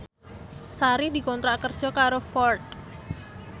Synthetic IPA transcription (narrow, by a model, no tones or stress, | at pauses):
saɾid̪i̤kɔnt̪ɾaʔkərd̥ʒ̥ɔ̤kaɾofɔrt̪̚